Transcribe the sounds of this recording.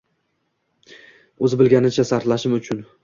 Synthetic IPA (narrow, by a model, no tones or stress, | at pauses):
ɵzɪbɪlɡʲanɪt͡ʃʰasaɾt̪laʃɪmʊt͡ʃʰʊn